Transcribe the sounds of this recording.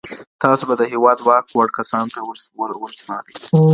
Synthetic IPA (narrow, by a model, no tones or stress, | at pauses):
t̪ɑsobad̪əɦewɑd̪wɑk̚waɽkasɑnt̪awəɾwwəlznɑ̰ɾi